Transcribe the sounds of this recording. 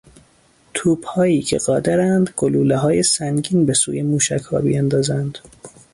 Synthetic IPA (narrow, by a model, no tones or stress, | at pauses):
t̪ʰuːbhɒːjiːcʰḛɣ̥ɒːd̪eɾænd̪ɡ̥oluːleɦɒːjesæŋɟiːnbe̞sṵːjemuːʃæchɒ̰ːbḭjænd̪ɒːzænd̪̥